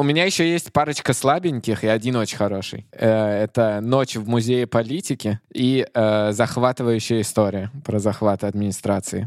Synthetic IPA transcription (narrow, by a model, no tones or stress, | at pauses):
ʊmʲɪnʲajɪɕːojesʲtʲpaɾət͡ɕkəslˠabʲɪnʲkʲɪxɪɐdʲinot͡ɕɪnʲxɐɾo̞ʂɨ̰jɛt̪ənot͡ɕvmʊzʲejɪpɐlʲitʲɪkʲɪiəzɐxvat̪ɨvəjʉɕːɪjəɪst̪o̞ɾʲɪjəpɾəzɐxvat̪əɐd̪mʲɪnʲɪst̪ɾat̪sɨɪ̰